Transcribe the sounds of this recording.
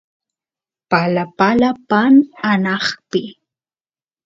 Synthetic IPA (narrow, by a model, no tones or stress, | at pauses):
palapalapananɑχpɪ